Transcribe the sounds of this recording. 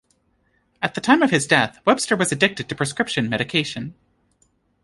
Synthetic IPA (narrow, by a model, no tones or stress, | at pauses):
ɨt̪̚ðɨtʰãɪ̃mʌv̥ɨzdɛθwɛb̥stə˞wʌzɨdɪk̚tɨd̚tʰɨpʰɹ̥ɨskɹ̥ɪpʃɨ̃nmɛɾɨkʰeɪʃɨ̃n